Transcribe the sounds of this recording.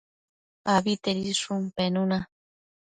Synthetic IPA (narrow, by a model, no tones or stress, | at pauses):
aβit̪eɾiʂumpenuna